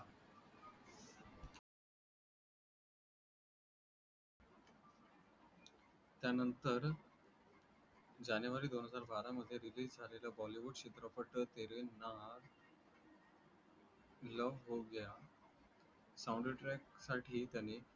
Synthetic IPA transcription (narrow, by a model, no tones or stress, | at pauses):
t̪janənt̪əɾ | d͡ʑanjuʋaɾiːd̪onɦəd͡zaɾbaɾaməd̪ʱːjeɾiliːsd͡zʱalelabɔliʋuɖɕit̪ɾəpəʈət̪eɾenaɦɾ | ləʋɦoɡja | sauɳɖəʈɾɛksaʈʰiːt̪jane